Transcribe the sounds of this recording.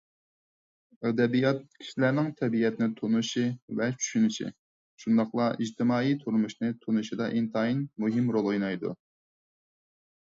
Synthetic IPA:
ɛd̪ɛbijɑt̪̚kʲʰi̥ʃilæɾnɪŋt̪ʰɛbijɛt̪ɪnɪt̪ʰunuʃivɛt͡ʃʰy̥ʃynɪʃḭ | ʃund̪ɑχlˠɑiʒt̪ʰɪmɑːit̪ʰuɾmuʃnɨt̪ʰunuʃid̪ɑʔint̪ʰɑinmuɦɪmɾolˠojnɑjd̪ṵ

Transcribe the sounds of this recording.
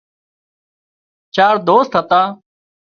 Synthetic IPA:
t͡ʃaːɾd̪oːst̪ɦət̪aː

